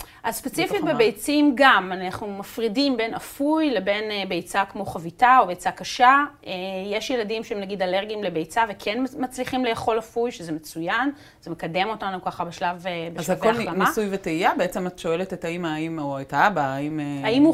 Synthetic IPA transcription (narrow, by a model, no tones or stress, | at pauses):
ʔazspet͡sifit̪̚bebejt͡simɡamanaχnumafʁidimbe̞nafujle̞be̞nbejt͡sakmo̞χavitao̞bejt͡sakaʃaejeʃjeladimʃeemnaɡidaleʁɡimle̞bejt͡savekʰenmat͡sliχimlejaχo̞lafujʃezeme̞t͡sujan | z̥emekade̞mo̞tanukaχabeʃlavebeʃavkoallanmiasujveteijabeet͡sematʃo̞eletetaimaimoajtaabaːimaimhu